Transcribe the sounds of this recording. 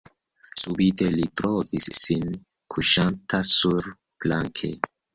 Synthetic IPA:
subitelitɾovisːin | kʰuʃantʰasuɾ | plaŋkʰḛ

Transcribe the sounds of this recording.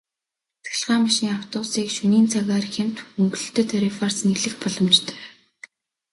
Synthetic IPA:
t̪xɘ̆ɮʁaːmaʃiːŋaw̥t̪ʊːsiːkʃɵniːnt͡sʰaɣaːrxem̥t̪xɵŋɡɵ̆ɮɵ̥̆t̪ɵ̆t̪ʰœɾifars̆niɮɘ̆xpɔɮɞ̆mt͡ɕt̪ʰœ̥ː

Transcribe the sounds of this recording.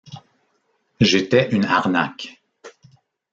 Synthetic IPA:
ʒet̪ɛʔyna̰ʁna̰k

